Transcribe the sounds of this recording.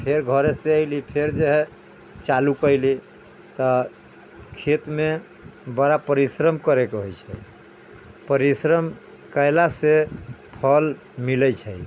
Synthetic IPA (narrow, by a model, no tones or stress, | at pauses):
pʰeɾɡʱəɾeseəjlipʰeɾd͡ʒeɦɛ | t͡ʃalukəjli | t̪ɔ | kʰet̪me | bəɾapəɾisɾəmkəɾekeɦojt͡ʃʰɛ | pəɾisɾəm | kəjlasepʰəl | milət͡ʃʰəj